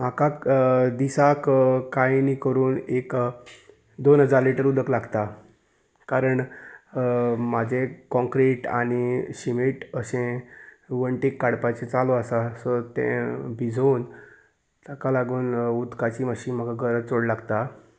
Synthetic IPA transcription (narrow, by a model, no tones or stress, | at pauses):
m̤akad̪isakkajnikəɾuːnek | d̪onɦəd͡zaɾliʈəɾud̪əklaɡt̪a | kaɾəɳ | mad͡ʑʱekɔ̃ŋkɾeʈa̰ɽ̃iɕimiʈəsẽʋəɳʈikːaɽpat͡ɕet͡saloasasɔt̪ḛ̃bʱid͡zʱon | t̪akalaɡuːnud̪kat͡ɕiːməɕiːnm̤akaɡʱəɾət͡soɽlaɡt̪a